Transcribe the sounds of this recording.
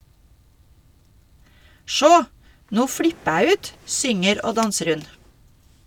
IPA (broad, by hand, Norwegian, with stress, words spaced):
ˈʃoː ˈnuː ˈfɽɪpə ˈæː ˈʉːt ˈsʏŋəɾ ˈoː ˈdɑnsəɾ ˈhʉn